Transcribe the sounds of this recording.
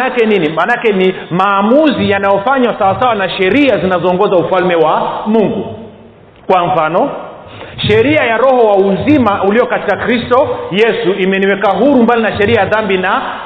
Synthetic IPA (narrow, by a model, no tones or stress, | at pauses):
akɛninimanakɛni | maːmuzijanajɔfaɲwasawasawanaʃɛɾiazinazɔːŋɡɔzaufalmɛwamuŋɡu | kwam̩fanɔ | ʃɛɾiajaɾɔhɔwauzimauliɔkati̥kakɾistɔjɛsuʔimɛniwɛkaɦuɾumbalinaʃɛɾiajaðambina